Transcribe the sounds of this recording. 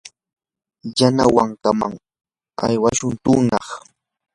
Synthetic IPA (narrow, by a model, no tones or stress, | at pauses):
jana̰waŋkama̰ŋ | a̰jwaʃʊnt̪ʊŋnɑχ